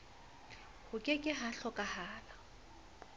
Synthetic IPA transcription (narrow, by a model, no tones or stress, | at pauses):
hʊkʼɪkʼɪɦaɬɔkʼahaːla